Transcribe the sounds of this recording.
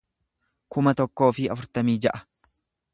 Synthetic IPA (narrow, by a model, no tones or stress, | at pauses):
kʊmɐt̪ɔkːo̞ːfɪɐ̰fʊɾt̪ɐmiːd͡ʒɐʔɐ̥